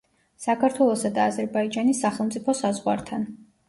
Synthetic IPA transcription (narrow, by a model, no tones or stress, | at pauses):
sakʰaɾt̪ʰwɛlˠɔsad̪aːzɛɾbaid͡ʒanisːaχɛlˠmt̪sʼipʰɔsazʁwa̰ɾt̪ʰan